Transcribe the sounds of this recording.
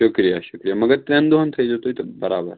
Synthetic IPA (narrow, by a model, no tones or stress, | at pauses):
ʃukɾijaʃukɾijamɐɡəɾt̪ɾẽnd̪oɦənt̪ʰɐid͡zot̪oit̪obəɾabə̰ɾ